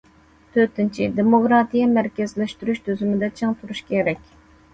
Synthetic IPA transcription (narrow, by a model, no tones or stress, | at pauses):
t̪ʰøt̪ɪnt͡ʃʰid̪emokɾɑt̪ijɑmæɾkʲɛzlɛʃt̪yɾyʃt̪ʰøzymɪd̪ɛt͡ʃʰeŋt̪ʰuɾuʃkʲʰeɾɛkʲ